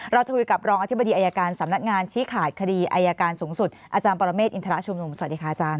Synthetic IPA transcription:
ɾa˧wt͡ɕa˨˩kʰu˧jka˨˩p̚ɾɔː˧ŋa˧t̪ʰi˦˥ba˧diː˧ʔaː˧jaː˧kaː˧nsa˩˦mna˦˥k̚ŋaː˧nt͡ɕʰiː˦˥kʰaː˨˩t̪̚kʰa˧diː˧ʔa˧jaː˧kaː˧nsuː˩˦ŋsu˨˩t̪̚ʔaː˧t͡ɕaː˧npɔː˧ɾa˧meː˥˩t̪ʔi˧nt̪ʰɾa˦˥ʔt͡ɕʰu˧mnu˧msa˧˨a˩t̚diː˨˧kʰa˧ʔa˧t͡ɕaː˧n

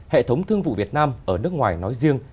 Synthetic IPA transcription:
hḛ˧˨t̪ʰə˨˦wŋ͡mt̪ʰɨ˧əŋvṵ˧˨vi˨˩ət̚naː˧mʔəː˧˩nɨ˦˥əkŋwaː˨˩jnɔ˨˦jzi˧əŋ

